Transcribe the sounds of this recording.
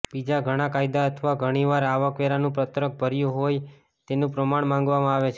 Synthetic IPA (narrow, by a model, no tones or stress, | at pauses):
bid͡ʒaɡʱəɽ̃akajd̪aət̪ʰʋaɡʱəɽ̃iʋaɾaʋəkʋeɾanũpɾət̪ɾək̚bʱəɾjũɦoj | t̪enũpɾəmaɳmãŋ̆ɡʋamãaʋet͡ʃʰe